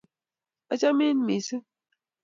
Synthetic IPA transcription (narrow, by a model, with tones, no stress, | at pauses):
a˦t͡ʃa˦mi˦n˦mi˨sɨ˦